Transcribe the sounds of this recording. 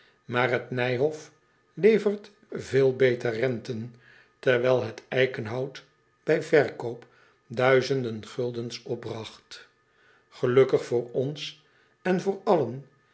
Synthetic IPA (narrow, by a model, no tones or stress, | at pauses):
maːrɦətnɛjɦɔf | lejvərt | veːlˠbejtərɛntən | tɛɹʋɛlˠɦətɛjkənɦɑwt | b̥ɛjvɛɹkowp | dœɥzəndənχɵlˠdənsɔb̚brɑχt | χəlɵkəχfʊːɹɔns | ɛnvʊːɹɑlən